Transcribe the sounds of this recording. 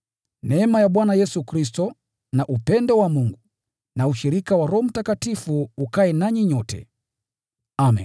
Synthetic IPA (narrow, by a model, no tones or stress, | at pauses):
nɛmajaɓwanajɛsukɾis̬tɔ | naʔupɛndɔwamuŋɡu | nauʃiɾikawaɾɔm̩takatifuːkaɛnaɲiɲɔtɛ̰ | amɛ̰n